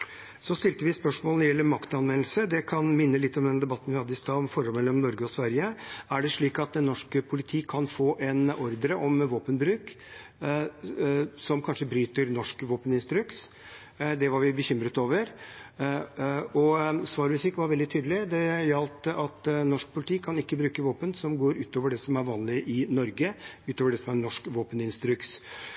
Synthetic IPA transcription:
sɔst̪ɪlt̪əʋɪspœʂmoːlənɔɾɛlːəɾmɑkt̪ɑnʋɛnlsəd̪ɛkʰɑnmɪnːəlɪt̪ːɔmd̪ɛnd̪ɛbɑt̪ːn̩ʋɪhɑd̪ːəɪst̪ɑːɔmfɔɾhɔlmɛlːɔmnɔɾɡəɔsʋæɾjəæɖɛʂɭiːkɑt̪̚d̪ɛnːɔʂkəpʰʊlɪt̪ʰiːkʰːɑnfoːʔɛnʔɔɾd̪ɾəʔɔmʋoːpənbɾʉːk | sɔmkʰɑnʂəbɾyːt̪əɾnɔʂkʋoːpənɪnst̪ɾʉkt̪ | d̪ɛʋɑɾʋɪbəçʏmɾət̪oːʋəɾ | ɔsʋɑːɾmʉsɪkːʋɑɾʋɛld̪ɪt̪ʰyːd̪əlɪd̪ɛjɑlt̪əʔɑt̪nɔʂk̚pʰʊlɪt̪ʰiːkʰɑnɪkːəbɾʉːkəʋoːpənsɔmɡoːɾʉːt̪oːʋəɖɛsɔmæɾʋɑːnlɪʔɪnɔɾɡəʉːt̪oːʋəɖɛsɔmæɾnɔʂkʋoːpənɪnst̪ɾʏks

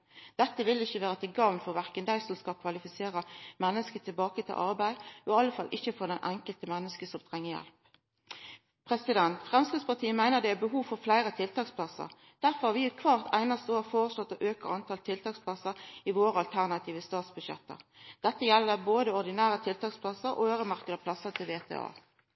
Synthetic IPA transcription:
d̪̥ɛt̪ːəʋɪlːɪçːəʋeːʁət̪ʰɪɡɑːʋnfɔʁʋæʁkənd̪æɪsɔmskɑlkʰʋɑlɪfɪseːʁəmɛnːəskət̪ʰɪlbɑːkət̪ʰɪ̰lʔɑʁbæɪʔɔɑlːəfɑlːʔɪçːəfɔd̪æɪnʔæŋkəlt̪əmɛnːəskəsɔmt̪ʰʁɛŋːəjɛ̰lp | pʰʁɛsɪd̪ɛnt̪fʁɛmskʁɪd̪spɑt̪ʰiːəmæɪnəʁd̪ɛæbəɦuːʋfɔʁflæɪʁət̪ʰɪlt̪ʰɑːkspʰlɑsə̰ʁ | d̪̥æʁfɔʁhɑːʋɪʉːt̪kʰʋɑːʁt̪ʰæɪnɑst̪əoːʁfoːʁəslɔt̪ːɔʔøːkəʁɑnt̪ʰɑlt̪ʰɪlt̪ʰɑːkspʰlɑsəɾɪʋoːɾəɑlt̪ʰæʁnɑt̪ʰiːʋəst̪ɑːt̪sbʉʃɛ̰t̪ːə̰d̪̥ɛt̪ːəjɛlːəboːd̪əɔʁd̪ɪnæːʁət̪ʰɪlt̪ɑːkspʰlɑsəɾʔɔ̰øːʁəmɑʁkəd̪ɑplɑsəʁt̪ʰɪlʋeːt̪ʰḛːɑ̰ː

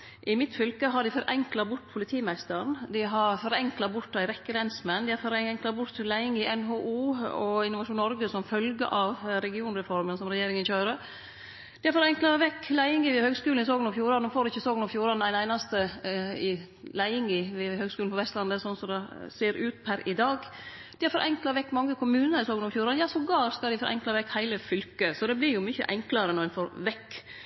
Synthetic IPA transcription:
ʔɪmɪt̪fʏlkəɦɑɖɪfɔɾʔɛŋklɑbʊʈːpʰʊlɪt̪ʰiːmæɪst̪əɾnd̪ɪɦɑɾfɔɾɛŋklɑbʊd̪æɪɾɛkːəɾɛnsmɛnd̪ɪæɾfɔɾɛŋklɑbʊt̪læɪɪŋɪʔɛnɦoːʔuːɔɪnʊʋɑʂuːnnɔɾɡəsɔmfœlɡəʔɑʋɾɛɡɪuːnɾɛfɔɾmənsɔmɾɛjeːɾɪŋənçøːɾə | d̪ɪæɾfɔɾɛŋklɑʋɛkːlæɪɪŋɪʋɪhøːɡskʉːln̩ɪsoːɡənɔfjuːɾɑnnfoːɾɪçːəsoːɡnɔfjuːɾɑæɪnæɪnɑst̪əɪ | læɪɪŋɪʋɪhøːɡskʉːln̩pɔʋɛst̪lɑnd̪əsɔnːsɔd̪ɛseːɾʉːt̪pʰæɾɪd̪ɑːɡ | d̪̥ɪæɾfɔɾʔɛŋklɑʋɛkːmɑŋːəkʰʊmʉːnəɾɪsoːɡənɔfjuːɾɑnjɑːsɔɡɑːskɑld̪ɪfɔɾʔɛ̰ŋklɑʋɛkːhæɪləfʏlkəsɔd̪ɛblɪɾjʊmʏçə̰ʔɛŋklɑɾənɔæfoːɾʋɛkː

